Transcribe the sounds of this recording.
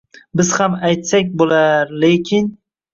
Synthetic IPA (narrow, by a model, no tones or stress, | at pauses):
bɪz̥hamajt̪sakʲbolaɾlekʲʰɪn